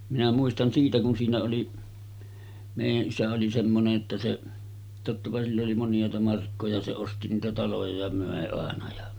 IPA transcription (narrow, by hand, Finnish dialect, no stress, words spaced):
minæ muistɑn siːtæ kun siːnæ oli meˑijæʔ ʔisæ oli semːoneʔ ʔetːæ se totːɑpɑ silː oli monjˑɑˑetɑ mɑrkːojɑ se osti niːtæ tɑlojɑ jɑ møˑe ɑˑenɑ jɑ